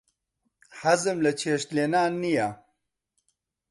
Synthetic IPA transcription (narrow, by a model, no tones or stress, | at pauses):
hazemlɐt͡ɕʰeːʂt̪lenaːnːija